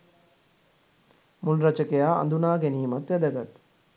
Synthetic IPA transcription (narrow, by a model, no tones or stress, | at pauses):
munɾat͡ʃəkejaːa̰nd̪unaːɡeniːmat̪ʋæd̪əɡat̪